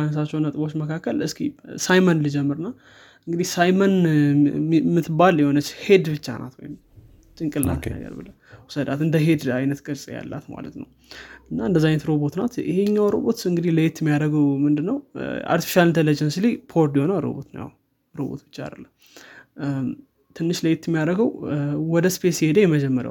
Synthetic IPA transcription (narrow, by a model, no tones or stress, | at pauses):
anəsat͡ʃːɛwnət̪ʼɨbo̞t͡ʃːməkʰakːəlɨskʰisajmənlɨd͡ʒɛmːɨɾɨnːa | ɨŋɡɨd̪ihsajmən | mɨt̪baljɛho̞nət͡ʃːhe̞d̪bɨt͡ʃːa̰nʔa̰t̪wojm | t͡ʃʼɨŋkʼɨlna̰t̪ja̰lbɨlə | wusəd̪at̪ɨnd̪əɦe̞d̪ajnət̪ɡəɾsʼja̰lːa̰t̪ma̰lə̰t̪nə̰w | ɨnːaɨnd̪əzːajnət̪ɾo̞bo̞t̪nat̪ɪ̰heɲːawɾo̞̰bo̞t̪ɨŋɡɨd̪ihləjɛt̪ːɛmːijaɾəɡəwmɨnd̪ɨnːəwʔa̰ɾt̪i̥fi̥ʃalɨnt̪ʰələd͡ʒənsilipʰoɾd̪ihonawɾo̰bo̞̰t̪nə̰ja̰w | ɾo̰bo̰t̪bɨt͡ʃːaa̰d̪əlːəm | t̪ʰɨnːɨʃləjɛt̪ːɛmijaɾəɡəwwɔd̪əspʰesihe̞d̪əjɛməd͡ʒɛmːəɾə̰w